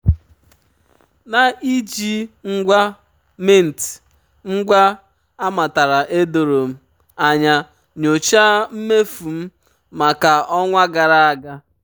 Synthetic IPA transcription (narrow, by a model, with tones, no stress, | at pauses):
na˦ʔi˦d͡ʒi˦ŋ̩˦ɡʷa˦ | me˦˨n̩˨ti̥˨ | ŋ̩˦ɡʷa˦ | a˦ma˨ta˨ɾa˨ʔe˦do˨ɾo˨m̩˦ | a˨ɲa˦ | ɲo˨t͡ʃa˦m̩˦me˦fu˨m̩˦ | ma˨ka˨ɔ˦ŋʷa˦ɡa˨ɾa˦a˨ɡa˦